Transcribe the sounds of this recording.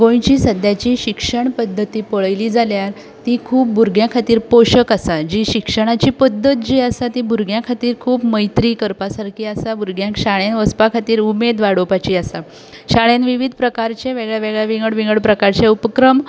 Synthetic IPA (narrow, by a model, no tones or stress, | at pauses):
ɡõj̃t͡ɕiːsəd̪ʱjat͡ɕiɕikʂəɳpəd̪ʱːət̪iːpəɭəjliːd͡zaljaɾ | t̪ikʰuːp̚buɾɡjãkʰat̪iːɾpoɕəkasad͡ʑiɕikʂəɽ̃at͡ɕiːpəd̪ʱːət̪̚d͡ʑiasat̪ibʱuɾɡʱjãkʰat̪iːɾkʰuːpməjt̪ɾiːkəɾpasaɾkʰiːasabuɾɡjãkɕaɭjanʋəspakʰat̪iːɾumed̪ʋaɽopat͡ɕiːasa | ɕaɭanʋiʋid̪ʱpɾəkaɾt͡ɕeʋeɡɭjaʋeɡɭjaʋiŋɡəɽʋiŋɡəɭpɾəkaɾt͡ɕeupəkɾəm